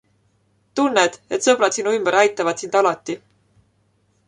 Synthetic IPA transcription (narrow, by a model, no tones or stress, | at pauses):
t̪unːed̪̥e̞t̪sɤb̥rɑt̪sinuymb̥eɾæjt̪ːˑɑvɑd̪̥sind̪̥ɑlɑt̪ːˑi